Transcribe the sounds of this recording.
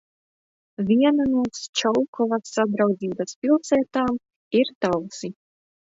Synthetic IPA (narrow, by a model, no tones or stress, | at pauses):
vʲiɛnanuɔst͡ʃɔwkʰɔvasːad̪ɾawd̪ziːbaspʲilˠsɛːt̪aːm | iɾt̪awsi